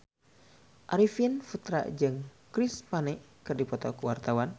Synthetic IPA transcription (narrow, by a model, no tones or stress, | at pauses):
ʔaɾifənfut̪ɾa̰ʔd͡ʒɨŋ | kɾɪspanɛʔ | kɨrdipɔt̪ɔkəwart̪awan